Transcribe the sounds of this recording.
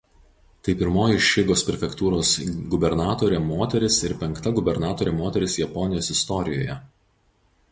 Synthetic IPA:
t̪ɐɪpʲɪɾmoːjɪʃʲɪɡoːspʲɾʲɛfʲɛkt̪uːɾoːsɡʊbʲɛɾnɑːt̪oːɾʲemoːt̪ʲɛɾʲɪsɪɾpʲɛŋkt̪ɐɡʊbʲɛɾnɑːt̪oːɾʲeːmoːt̪ʲɛɾʲɪsjɛpɔnʲɪjoːsɪst̪ɔɾʲɪjo̰ːjɛ

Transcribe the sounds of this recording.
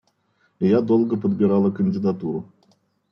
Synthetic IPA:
jad̪olˠɡəpəd̪bʲɪɾalˠəkənʲdʲɪd̪at̪uɾʊ

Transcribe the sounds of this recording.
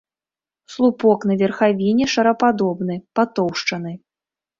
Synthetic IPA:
slˠupɔknɐvʲɛrxavʲinʲɛʂɐɾɐpad̪ɔbn̪ɨpat̪ɔwʂt͡ʂɐnɨ

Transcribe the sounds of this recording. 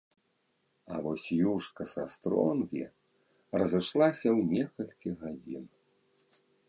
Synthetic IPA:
ɐ̰vɔsʲjuʂkɐsa̰st̪ɾɔ̰nɣʲḭ | rɐzɨʂlˠasʲɐwnʲɛkɐlʲkʲiɣad͡zʲḭn

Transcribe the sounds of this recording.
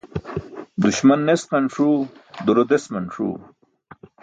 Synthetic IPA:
d̪uɕmɐnːesqɐnʂuːd̪uɾod̪esmɐnʂṵː

